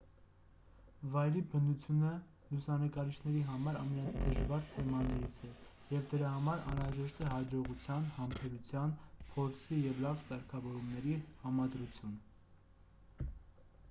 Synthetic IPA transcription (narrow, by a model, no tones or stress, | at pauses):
vɑjɾibənut͡sʰjunə | lusɑnəkɑɾit͡ʃʰnɛɾiɦɑmɑɾɑmɛnɑnid̪əʒvɑɾt̪ʰɛmɑnɛɾit͡sʰɛ | jɛvd̪əɾɑɦɑmɑɾɑ̰nɾɑʒɛʃt̪ɛɦɑd͡ʒɔʁut͡sʰjɑnhɑmpʰɛɾut͡sʰjɑnpʰɔɾt͡sʰijɛvlɑvsɑɾkʰɑvɔɾumnɛɾihɑmɑd̪ɾut͡sʰjun